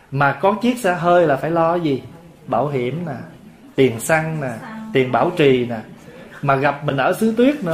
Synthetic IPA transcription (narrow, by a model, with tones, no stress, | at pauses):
maː˨˩kɔ˨˦t͡ɕi˦˥ət̚sa̰ː˧˥ɦəː˧jlaː˨˩faː˧˩jlɔ˧zi˨˩ | ɓaː˧˩wɦi˧˩˨əmnaː˨˩ | t̪i˨˩ənsa˧ŋnaː˨˩t̪i˨˩ənɓaː˧˩wt͡ɕi˨˩naː˨˩maː˨˩ɣa˨˩p̚mï˨˩ŋ̟ʔəː˧˩sɨ˨˦t̪wi˦˥ət̚nɨ̰˧